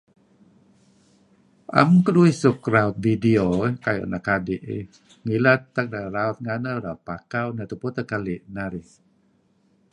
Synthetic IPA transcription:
ʔa̰mkəluisukɾaut̪̚vidiokajo̰ʔnakadiʔ | ŋilat̪ːak̚daɾaut̪̚ŋanəɾaut̪̚pakawnat̪uput̪əkaliʔnaɾi

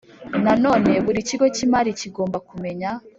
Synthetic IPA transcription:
nano̞ːne̞βuɾiciɡo̞cimaːɾiciɡoːmbakume̞ɲa

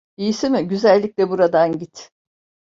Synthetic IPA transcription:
ijisimɪɟyzælʲːicʲlʲɛbuɾad̪anɟit̪

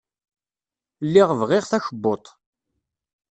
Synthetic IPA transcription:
lːiʁvʁɪʁθæçəbːot̪ˤ

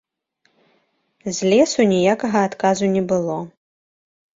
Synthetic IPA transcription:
zʲlʲɛsunʲijakɐɣɐːt̪kazunʲɛbɨlˠɔ

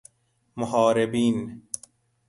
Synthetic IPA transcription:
moɦɑːɾebiːn

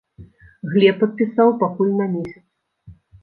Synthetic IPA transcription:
ɣlʲɛpːɐt̪̚pʲisawpakulʲnɐmʲesʲɐt̪s

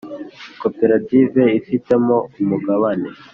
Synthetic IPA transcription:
kopeɾativeifitemoumuɡaβane

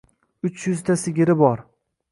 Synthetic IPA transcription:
ʊt͡ʃjʊzt̪ʰasɪɡʲɪɾɪbɒɾ

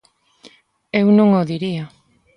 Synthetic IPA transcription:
ewnõŋoðiɾia

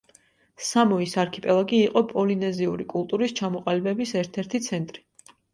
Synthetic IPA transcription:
samɔisaɾkʰipʼɛlˠaɡiːqʼɔpʼɔlinɛziuɾikʼulˠt̪ʼuɾist͡ʃʰamɔqʼalibɛbisɛɾt̪ʰɛɾt̪ʰit̪sʰɛnt̪ʼɾi̥

